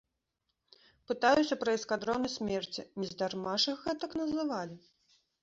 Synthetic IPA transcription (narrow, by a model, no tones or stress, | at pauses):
pɨt̪ajusʲɐpɾɐiskad̪ɾɔnɐsʲmʲɛrt͡sʲinʲizd̪armaʂɨxɣɛt̪ɐknɐzɨvalʲi